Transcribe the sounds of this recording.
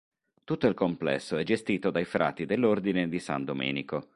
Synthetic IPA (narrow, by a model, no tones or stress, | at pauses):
t̪ut̪ːoilkomplɛ̰sːoɛd͡ʒest̪iːt̪od̪ajfɾʔa̰ːt̪id̪elːord̪ined̪isa̰nd̪omɛ̰ːniko